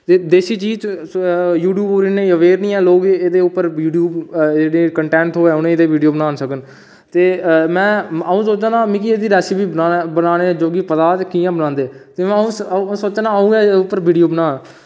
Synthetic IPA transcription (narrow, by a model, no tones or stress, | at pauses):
t̪eːd̪eːsiːt͡ʃiːt͡ʃ | juːʈjuːboːɾɪnẽːəʋeːɾnĩːɛ̃ːloːɡeːd̪eːʊpːəɾuːɖjuːbd͡ʒeːɽeːkəɳʈɛːɳʈɦoːɛːʊnẽːd̪eːʋiːɖijoːbənaːnsəkən | t̪eːmɛ̃ːəũːsoːt͡ʃãːnaːmĩːkieːd̪iːɾɛːsibiːaːbənaːneːd͡ʒoːɡiːpət̪aːkiːãːbənãːnd̪eːt̪eːmɛ̃əũːsoːt͡ʃːnaːəũːɛːʊpːəɾʋiːɖijoːbənãː